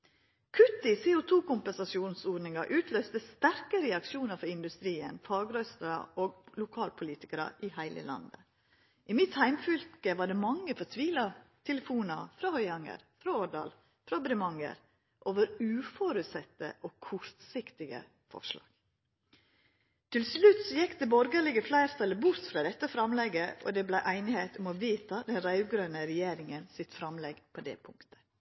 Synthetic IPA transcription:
kʰʉt̪ːɪsɛːʊt̪ʰuːkʊmpɛnsɑsjuːnsoːɖnɪŋɑʔʉːt̪ʰløːst̪əst̪æɾkəɾɛɑkʂuːnəɾfɔɾɪnd̪ʉst̪ɾiːə̰nfɑːɡɾœst̪əɾɑ̰ʔoːɡlʊkʰɑːlpʰʊliːt̪ɪkəɾɑ̰ʔɪhæɪlə̰lɑ̰nd̪ə | ʔɪmɪt̪hæɪmfʏlkəʋɑːɖɛːmɑŋːəfɔt̪ʰʋiːlɑt̪ʰɛləfuːnɑfɾɑhœʏɑŋə̰ɾfɾɑoɖɑ̰ːl | fɾɑbɾɪmɑŋə̰ɾ | ʔoːʋəɾʉːfɔɾʉt̪sɛt̪ːə̰ʔokʰʊɾt̪sɪkt̪ɪɡə̰ | fɔ̰ʂlɑ̰ːɡ̥ | t̪ʰɪlslʉt̪sɔjɛkt̪əbɔɾɡɑlɪɡəflæɪɾt̪ʰɑlːəbʊɾt̪fɾɑd̪ɛt̪ːəfɾɑmlɛɡəɔ̰d̪ɛblæɪʔæɪnɪheːt̪ʊmoʋiːt̪ʰɑd̪ɛnɾɑʉɡɾøːnəɾɛjeːɾɪŋənsɪt̪fɾɑmlɛɡpʰoːd̪ɛ̰ːpʰʊŋkt̪ʰə̥

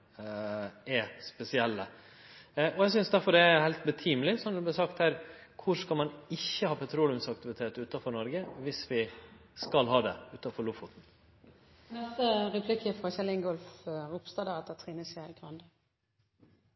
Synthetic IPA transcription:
ɛɾspɛsɪɛlːə | ʔɔɛɪsʏnsd̪æɾfɔɾɖ̪ɛæɾhæɪlt̪̚bət̪ʰiːmlɪsɔmd̪ʉblæɾsɑkt̪hæːɾkʰʊɾskɑlmɑnɪçːəhɑːpʰɑt̪ʰɾuːnʊmsɑk̚t̪ɪʋɪt̪ʰeːt̪ʉːt̪ɑfɔɾnɔɾɡəʋɪsʋɪ | skɑlɦɑːd̪ɛʉːt̪ɑfɔɾɭʊfʊt̪n̩ | nɛst̪əʁɛpʰlɪkəfʁɑçɛlɪŋɡɔlfʁʊpst̪ɑd̪æʁɛt̪ət̪ʰʁiːnəseɪɡʁɑnd̪ə

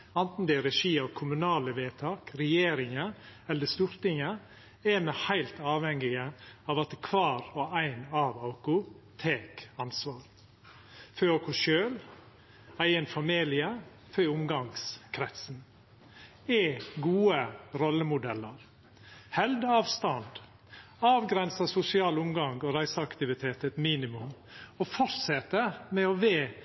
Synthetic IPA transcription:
ɑnt̪n̩d̪ɛɾɛʂiːɑʋkʰʊmʉnɑːləʋeːt̪ʰɑːkɾɛjeːɾɪŋəɛlːəst̪uːɾt̪ɪŋə | ɛmɛhæɪlt̪ɑːʋhɛŋɪɡəɑːʋɑt̪kʰʋɑːɾɔæɪnɑːʋɑʊkʊ | t̪ʰeːkɑnsʋɑːɾ | føɑʊkʊʃøːl | æɪənfɑmiːlɪə | fœʊmɡɑŋskʰɾɛt̪sn̩ | ɛːɡuːəɾɔlːəmʊd̪ɛlːəɾ | hɛld̪əɑːʋst̪ɑnd̪ | ɑːʋɡɾɛnsɑsʊsɪɑːlʊmɡɑŋɡoːɾæɪsəɑkt̪ɪʋɪt̪ʰeːt̪ɛt̪miːnɪmʉmofɔɾsɛt̪əmɛoʋeː

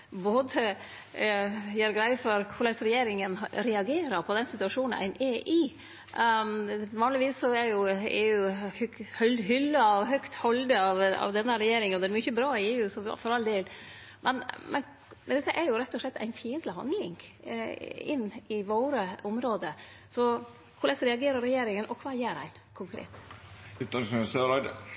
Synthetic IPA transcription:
boːd̪ə | jæɾɡɾæɪfɔɾkʰʊlɛsɾɛjeːɾɪŋənɾɛɑɡeːɾəɾpʰɔd̪ɛnsɪt̪ʉɑʂuːnn̩æ̰ɪnʔeʔɪ | ʋɑːnlɪʋiːsːɔɛɾjʊɛ̰jʊhhlɦʏlːəɑʋɦœkt̪hɔld̪əɑʋɑ̰ʋd̪ɛnːəɾɛjeːɾɪŋɔd̪ɛɾmʏçəbɾɑːɪeːʉːsɔfɔɾɑld̪eːlmʔɛnmɛ̰n | nd̪ɛt̪ːəʔɛɾjʊɾɛt̪ːɔʂɭɛt̪ːæ̰ɪnfiːənt̪lɪhɑ̰nd̪lɪŋ | ɪnːɪʋoːɾəʊmɾoːd̪ə | sɔ | kʰʊɾɭɛsəɾɛɑɡeːɾəɾɛjeːɾɪŋənʔɔkʰʋɑːjeːɾæ̰ɪn | kʰʊŋkʰɾḛːt̪ʉːt̪ɑssøɾɑd̪

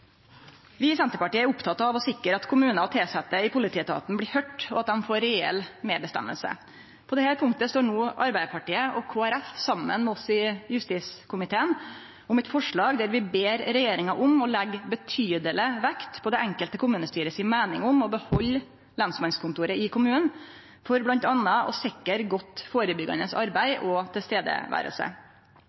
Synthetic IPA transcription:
ʋɪsɛnt̪əpɑʈiːəæɾʊpt̪ʰɑt̪ɑːʋɔsɪkːəɾɑt̪kʰʊmʉːnɑɔt̪ʰɪlsɛt̪ːəɪpʰʊlɪt̪ʰiːt̪ʰɑ̰ːt̪n̩blɪːhœʈːɔɑt̪̚d̪ɛnfoːɾɛɛ̰lmeːbəst̪ɛ̰mːə̰lsə̰ | pʰɔd̪ɛhæɾpʰʊŋkt̪əst̪oːɳuːʔɑɾbæɪpʰɑʈiːəʔɔkʰoːæɾɛfsɑmːə̰nmɛɔsɪjʉst̪iːskʰʊmɪt̪ʰeːən | ʊmɛt̪fɔʂɭɑːɡd̪ɛɾʋɪbeːɾɾɛjeːɾɪŋɑʔʊmɔlɛɡbət̪ʰyːd̪ələʋɛkt̪pʰɔd̪ɛʔɛŋkəlt̪əkʰʊmʉːnəst̪yːɾəsɪnmæːnɪŋʊmɔbəhɔlː | lɑnsmɑnskʰʊnt̪uːɾəɪkʰʊmʉːnən | fɔɾblɑnt̪ɑnːɑʔɔ̰sɪkːəɾɡɔt̪ːfoːɾəbʏɡɑ̰nəsɑɾbæɪʔɔt̪ʰɪlst̪eːd̪ə̰ʋæ̰ːɾə̰lsə̰

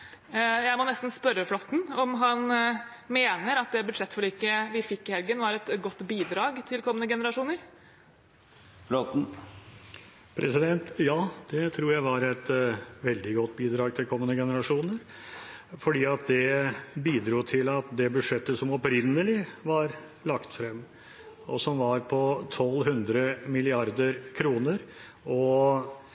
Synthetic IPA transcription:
jæɪmɔnɛst̪n̩spœɾːəflɔt̪ːn̩ɔmɦɑn | meːnəɾɑt̪̚d̪ɛbʉd̪ʂɛt̪ːfɔɭiːkəʋɪfɪkːɪhɛlɡənʋɑɾɛt̪ɡɔt̪ːbiːd̪ɾɑːɡt̪ʰɪlkʰɔmːənəɡɛnəɾɑʂuːnəɾ | fot̪̩ | pʰɾʔɛ̰sɪd̪ɛnt̪jɑːd̪̥ɛt̪ʰɾuːɾjæɪʋɑɾɛt̪ʋɛld̪ɪɡɔt̪ːbiːd̪ɾɑːɡ̚t̪ʰɪlkʰɔmːənəɡɛnəɾɑʂuːnəɾ | fɔɖiːɑt̪̚d̪ɛbiːd̪ɾuːt̪ʰɪlɑt̪d̪ɛbʉʂɛt̪ːəsɔmɔpɾɪnːəlɪʋɑɾ | lɑkt̪fɾɛmː | ɔsɔmʋɑɾpʰɔt̪ʰɔlːɦʉnd̪ɾəmɪlɪɑɾd̪əɾkʰɾuːnəɾ | ɔ

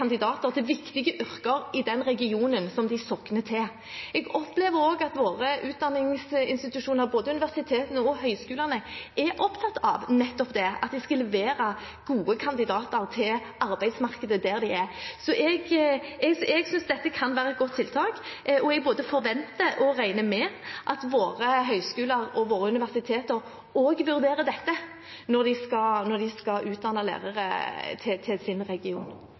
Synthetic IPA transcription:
ɑnd̪ɪd̪ɑːt̪əʁt̪ɛʋɪkt̪ɪɡəʔʏɾkəɾɪd̪ɛnɾɛɡɪuːnənsɔmd̪ɪsɔkːnət̪ʰɛ | ɛɡɔpleːʋəɾoːɡɑt̪ʋoːɾəʔʉːt̪̚d̪ɑnːɪŋsɪ̰nst̪ɪt̪ʉʂuːnəɾboːd̪əʉnɪʋæʁsɪt̪ʰeːt̪nəɔɦœʏskʉːlɑnəʔɛɾɔpt̪ʰɑt̪ːɑ̰ʋnɛt̪ːɔpd̪ɛɑ̰t̪̚d̪ɛɪskɑlɛʋeːɾɑ | ɡ̥uːəkʰɑnd̪ɪd̪ɑːt̪əɾt̪ʰɪl | ɑɾbæɪd̪smɑʁkəd̪əd̪æɾd̪æɪɛɾsɔʔɛɡɛɡɛɡsʏnsd̪ɛt̪ːəkʰɑnʋæːɾəɛt̪̚ɡɔt̪ʰːɪlt̪ʰɑːkʔɔɛɡ̚boːd̪əfɔɾʋɛnt̪əʔɔɾæɪnəmɛʔɑt̪ʋoːɾəɦœʏskʉːləɾɔʋoːɾəʉnɪʋæʁsɪt̪ʰeːt̪əɾ | oːɡʋʉɾd̪eːɾəd̪ɛt̪ːə | nɔɾd̪ɪskɑnɔd̪ɪskɑʔʉːt̪̚d̪ɑnəlæ̰ːʁəɾə̰t̪ʰɪt̪ʰɪlsɪnɾɛɡɪuːn

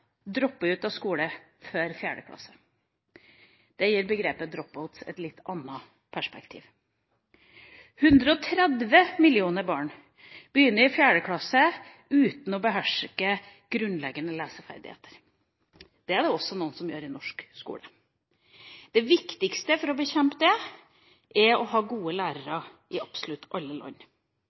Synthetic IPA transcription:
d̪ɾɔpːəʉːt̪ɑʋskuːlə | føːɾfjæːɖə̰kʰlɑ̰sə̥ | d̪̥ɛjiːɾbəɡɾeːpəd̪ɾɔp̚bɑʊt̪sɛ̰t̪lɪt̪ːɑnːɑ | pʰæʂpɛkt̪ʰḭːʋ | hʉnd̪ɾəɔt̪ʰɾɛd̪ʋəmɪlɪuːnəɾbɑːɳ | b̥əjʏnːəɾɪfjæːɖəkʰlɑsə | ʉːt̪n̩ɔbəɦæʂkə | ɡ̥ɾʉnlɛɡənəlæːsəfæ̰ɾd̪ɪ̰hḛːt̪əɾ | d̪̥ɛæɖɛɔsɔnuːnsɔmjøːɾɪnɔʂkskṵːɽə | d̪̥ɛʋɪkt̪ɪkst̪əfɔɾɔbəçɛmpəd̪ɛ | ʔɛɾɔɦɑːɡuːəlæːɾəɾɑ | ʔɪʔɑpsʊlʉt̪ːʔɑlːəlɔ̰ɲː

